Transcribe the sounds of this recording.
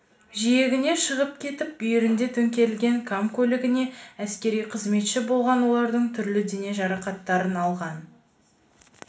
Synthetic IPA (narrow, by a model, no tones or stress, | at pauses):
ʒije̞ɡʲɪne̞ʃəʁəpkʲʰe̞t̪ɪp̚bʏjɪɾɪnd̪e̞t̪ʰɵŋkʲe̞ɾɪlɡʲeŋkʰamkʲʰɵlʲɪɡʲɪne̞æskʲe̞ɾijqʰəzme̞t̪ʃɪbo̞lˠʁɑnwo̞lˠɑɾd̪əɴt̪ʰʏɾlɪd̪e̞ne̞ʒɑɾɑqɑt̪ːɑɾənɑlˠʁɑn